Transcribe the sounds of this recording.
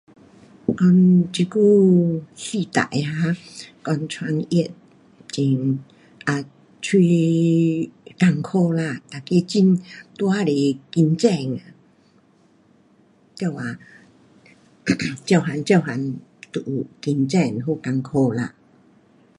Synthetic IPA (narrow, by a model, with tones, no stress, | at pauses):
kɔ˧nt͡ɕi˧ku˥˧˨si˧t̪a̰˨jha˧˦kɔ˧nt͡sʰwa˧ŋi˦˧˨t̚ | t͡ɕi˧ŋ | ʔa˨˧ | t͡ɕʰwi˧ | ka˧ŋkʰo˥˧la˧t̪a˨˩ke˧t͡ɕi˧nt̪wa˦le˨ki˧nt͡ɕɛ˥˧ŋa˨ | t̪ja˥˧˩wa˨˩ | t͡ɕja˥˧˩ɦa˨˧nt͡ɕja˥˧˩ɦa˨˧nt̪ṵ˨ki˧nt͡ɕɛ˥˧˨ŋɦo˧˨ka˧ŋkʰo˥˧la̰˧˨